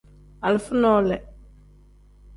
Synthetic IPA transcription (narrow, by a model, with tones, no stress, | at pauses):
a˨lfʊ˦nɔ˦lɛ˨